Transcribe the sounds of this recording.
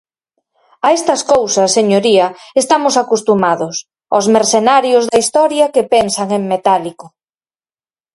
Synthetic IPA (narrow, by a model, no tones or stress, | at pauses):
ɐest̪ɐskowsɐsːeɲoɾiɐest̪amʊsakust̪umaðʊs | ozmeɾsenaɾjozðɐist̪ɔɾjɐkepensɐŋeŋmet̪aliko